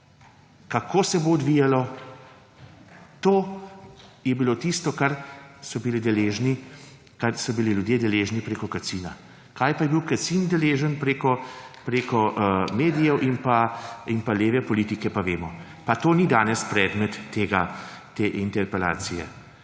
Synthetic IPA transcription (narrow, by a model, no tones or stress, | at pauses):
kakʰoːsɛboːd̪ʋiːjalɔ | t̪oː | jɛbilot̪ist̪ɔkaɾsɔbilid̪ɛleːʒni | kaɾsɔbililjud̪jeːd̪ɛleːʒnipɾeːkɔkasiːna | kaːjpajɛbiwkasind̪ɛleːʒənpɾeːkɔpɾeːkɔmeːd̪ijɛwʔinpainpaleːʋɛpɔlit̪ikɛpaʋeːmɔ | pat̪oːnid̪aːnɛspɾɛːd̪mɛt̪ːeːɡat̪eːint̪ɛɾpɛla̰ːt̪sijɛ̰